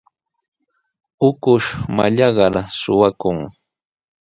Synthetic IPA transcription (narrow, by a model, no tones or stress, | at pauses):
ʊkʊʃma̰ʎɑɢɑɾasʊwakʊŋ